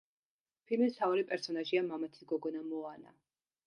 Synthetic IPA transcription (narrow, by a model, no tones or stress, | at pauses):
pʰilmist̪ʰaɔɾipʼɛɾsɔnaʒiamamat̪ʰi̥ɡɔɡɔnamɔana̰